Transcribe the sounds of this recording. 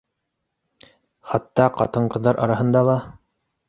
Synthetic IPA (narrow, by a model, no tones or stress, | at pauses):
χɑt̪ːɑqɑ̰t̪ɤɴqɤ̆ðɑɾʔɑ̰ɾɑɦɤ̆nd̪ɑlˠɑ